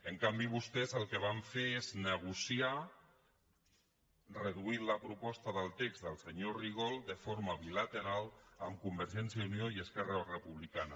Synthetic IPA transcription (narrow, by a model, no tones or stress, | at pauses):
əŋkambiβ̞ust̪ɛzəlˠkeβ̞aɱfeeznəɣ̞usia | rəðuit̪ləpɾupɔst̪aðəlˠt̪ekzðəlˠsəɲoriɣ̞olˠd̪əfoɾmaβilat̪eɾalˠəmkumbəɾʒɛnsjaunjoiəskɛrarəpuβlikana